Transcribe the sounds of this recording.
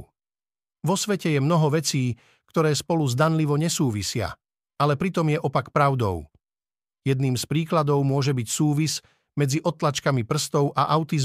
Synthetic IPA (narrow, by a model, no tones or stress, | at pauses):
ʋɔsʋɛcɛjɛmnɔɦɔʋɛt͡siː | kt̪ɔɾɛːspɔluzd̪anliʋɔɲɛsuːʋisɪa̰ | alɛpɾit̪ɔmjɛʔɔpakpɾaʊd̪ɔ̰ʊ | jɛd̪niːmspɾiːklad̪ɔʊmʊɔʒɛbicsuːʋiz | mɛd͡ziʔɔt̪lat͡ʃkamipr̩st̪ɔʊʔaʔaʊt̪iz